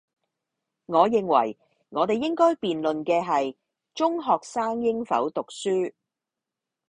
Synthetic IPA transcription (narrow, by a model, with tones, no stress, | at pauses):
ŋɔː˨˧jɪ˨ŋwɐ̰˨˩j | ŋɔː˨˧t̪e˨jːɪ˥ŋkɔː˥jpiː˨nlɵ˨nkɛː˧ɦɐ˨j | t͡ʃʊ˥ŋɦɔː˨k̚saː˥ŋjɪ˥ŋfɐ̰˨˥wt̪ʊ˨k̚syː˥